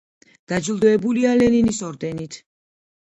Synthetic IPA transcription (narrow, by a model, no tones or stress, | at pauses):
d̪̥ad͡ʒilˠd̪ɔɛbulialɛninisɔɾd̪ɛnit̪ʰ